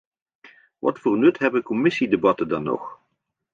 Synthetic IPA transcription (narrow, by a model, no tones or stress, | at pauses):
ʋɑ̰tfʊːrnɵtɦɛbəkɔmɪsidebɑtəndɑnːɔ̰χ